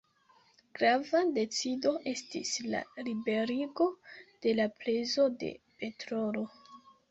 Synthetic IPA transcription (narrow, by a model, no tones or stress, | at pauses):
ɡ̥ɾavade̞t͡sido̞ʔe̞stḭsla̰libe̞ɾiɡo̞d̥e̞laple̞zo̞de̞̰pe̞tɾolo̞